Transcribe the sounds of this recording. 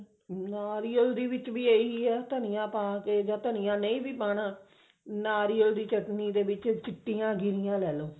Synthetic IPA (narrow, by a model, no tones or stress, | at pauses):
naːɾiːəld̪iːʋɪt͡ʃʋiːeːiːɛːt̪ənijãːpaːkeːd͡ʒãːt̪ənɪjãːnə̃ĩːbiːpaːnãː | naːɾiːəld̪iːt͡ʃəʈniːd̪eːʋɪt͡ʃt͡ʃɪʈːijãːɡɪɾɪjãːlɛːloː